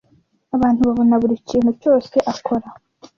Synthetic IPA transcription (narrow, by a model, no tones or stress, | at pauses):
aβaːn̥huβaβo̞naβuɾiciːn̥huco̞ːse̞ʔakʰo̞ɾa